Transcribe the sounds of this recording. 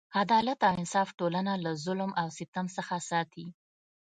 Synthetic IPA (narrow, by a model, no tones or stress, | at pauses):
ad̪ɑlat̪awɪnsɑfʈolanalazʊlmawsɪt̪amsəxasɑt̪i